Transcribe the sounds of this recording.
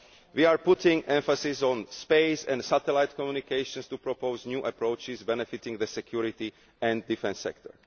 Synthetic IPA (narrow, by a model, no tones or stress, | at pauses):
ʋiːaːɹput̪ĩŋɡɛ̃ɱfasisɔ̃nspeɪsɛ̰̃nt̪sat̪ɛlaɪt̪kɔmjunikeɪʃə̃nst̪upɾɔpoʊznɲjuːʔapɾoʊt͡ʃɪzbɛnɛfit̪ĩŋɡd̪əsɛkjuɾit̪i | ɛ̃nd̪̚difɛ̃nsːɛ̰k̚t̪ɔ̰ɹ